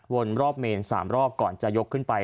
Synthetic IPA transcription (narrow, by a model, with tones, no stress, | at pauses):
wo˧nɾɔː˥˩p̚meː˧nsa̰ː˩˦mɾɔː˥˩p̚kɔː˨˩nt͡ɕa˨˩jo˦˥kʰːɯ˥˩npa˧j